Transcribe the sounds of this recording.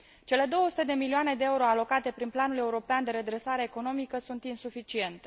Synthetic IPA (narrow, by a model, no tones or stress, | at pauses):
t͡ʃe̞le̞d̪o̞woəsu̥t̪e̞d̪e̞milioane̞d̪e̞euɾo̞alo̞kat̪e̞pɾinplanule̞uɾo̞peand̪e̞ɾe̞d̪ɾe̞saɾe̞ːko̞no̞mikəsunt̪insufit͡ʃie̞nt̪e̞